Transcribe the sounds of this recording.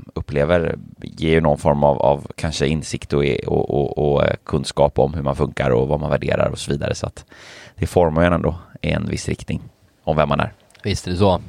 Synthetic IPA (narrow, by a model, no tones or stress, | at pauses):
ɵpːleːvəɾjeːjɵnɔnfɔɾmavavkʰanʂəɪnsɪkt̪ɔɔ̰ɔɔkʰɵnd̪skɑːpɔmhɵɾmanfɵŋkaɾɔvamanvæɖeːɾa̰ɾɔsɔviːd̪aɾəsɔa̰t̪d̪̥ɛfɔɾmaɛnɛnd̪oːɪɛnvɪ̰sːɾɪk̚t̪nɪŋ | ɔmvɛmːanæ̰ɾ | vɪst̪d̪ɵsɔ